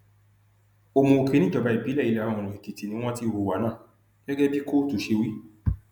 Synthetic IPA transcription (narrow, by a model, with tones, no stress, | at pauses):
o˧mõ˧o˧ke˨˧nĩ˦d͡ʒɔ˨˧ba˨˧˦i˨bi˨˦lɛ˦˨i˦lɛ˧˦a˨ɔ˧˨ũ˨ũ˨i˨ki˨ti˨nĩ˦w̃ɔ̃˦ti˦o˧ho˨˧˨wa˨˦nãː˦˨ | ɡ̥ɛ˦ɡɛ˦bi˦ko˦to˨˦ʃe˧wi˦